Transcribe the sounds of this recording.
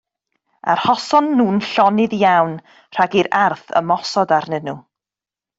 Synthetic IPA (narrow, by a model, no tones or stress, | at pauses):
a̰rhɔsɔnːuːnɬɔnɪðijawn | r̥aɡiɾarθə̰mɔsɔdarnənu